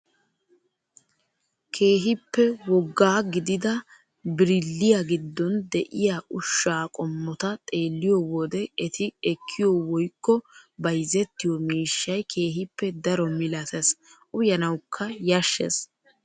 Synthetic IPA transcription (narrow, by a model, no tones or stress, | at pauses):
kʰe̞ːɦɪpːɛwɔɡːaːɡɪd̪ɪd̪ɐ | bɪɾɪlːɪjaɡɪd̪ːɔnd̪ɛʔɪjaʔʊʃːaːkʼɔmːɔt̪ɐt̪ʼe̞ːlːɪjɔwɔd̪ɛɛt̪ʰɪɛkʰːɪjɔwɔjkːɔbɐjzɛt̪ːɪjɔmiːʃːɐjkʰe̞ːɦɪpːɛd̪ɐɾɔmɪlɐt̪ɛsʔʊjɐnɐwkʰːɐjɐʃːḛs